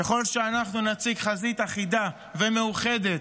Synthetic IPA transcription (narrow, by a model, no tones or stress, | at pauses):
ke̞χo̞lʃe̞anaχnunat͡siɡχazit̪aχid̪a | ve̞me̞uχe̞d̪e̞t̪